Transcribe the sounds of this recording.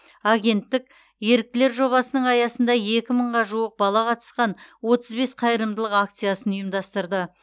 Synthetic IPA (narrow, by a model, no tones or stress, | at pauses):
aɡʲe̞nt̪ːɪk̚ʲ | je̞ɾɪk̚t̪ɪle̞ɾʒo̞βɑsənəɴɑjɑsənd̪ɑe̞kʲɪməɴʁɑʒuəq̚bɑlˠɑqɑt̪ə̥sqɑnwo̞t̪əzbe̞sqʰɑjəɾəmd̪əlˠəqak̚t̪sijasənijmd̪ɑst̪əɾd̪ə